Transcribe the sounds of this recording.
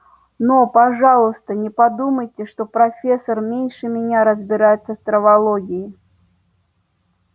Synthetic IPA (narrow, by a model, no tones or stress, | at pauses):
nopɐʐalˠəst̪ənʲɪpɐd̪uməjtʲɪʂt̪opɾɐfʲesːərmʲenʲʂɨmʲɪnʲaɾəzʲbʲɪɾajɛt̪sːəft̪ɾəvɐlˠoɡʲɪjɪ